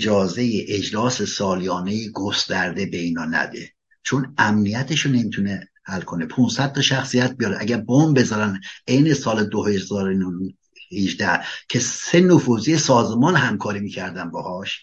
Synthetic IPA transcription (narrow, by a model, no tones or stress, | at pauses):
d͡ʒɒːze̞jeʔed͡ʒlɒːsesɒːlijɒːnejeɡost̪æɾd̪e̞be̞inɒːnæ̰d̪ḛ | t͡ʃʰonæmnijæt̪ʰeʃone̞mit̪ʰunehælkʰone̞pʰunsæd̪̚t̪ʰːɒʃæxsijæt̪̚bijɒd̪ʔæɟæɾbombe̞zɒːɾænejne̞sɒːled̪ohezɒːɾon | hiʒd̪æhcʰe̞se̞nofuːzijesɒːzemɒːnhæmkʰɒːɾimiːcʰæɾd̪ænbɒhɒːʃ